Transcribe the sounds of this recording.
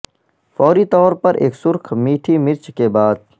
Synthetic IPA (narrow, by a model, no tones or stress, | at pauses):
fɔːɾiːt̪ɔːɾpɐɾʔḛːksʊɾkʰmiːʈʰimɪɾt͡ʃkebaːd̪̚